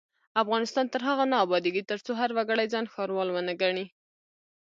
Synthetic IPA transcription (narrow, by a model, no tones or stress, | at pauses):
afɣɑnɪst̪ɑnt̪əɾɦaɣanɑːbɑd̪eɡit̪əɾt͡soɦaɾwaɡəɽajd͡zɑnxɑɾwɑlwənaɡaɳi